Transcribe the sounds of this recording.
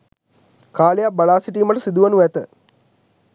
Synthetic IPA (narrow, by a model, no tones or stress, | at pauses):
kaːlejabaɭaːsiʈ̬iːmaʈəsid̪uʋɐnuʋæt̪ə